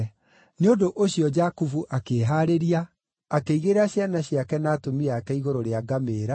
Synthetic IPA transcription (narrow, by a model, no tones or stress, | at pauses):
neodoʔoɕijɔd͡ʑakuvuʔakeːɦaɾeɾiaː | keiɣeɾaɕjanaɕiakɛnaːtomiakɛiɣoɾoɾeaɡameːɾa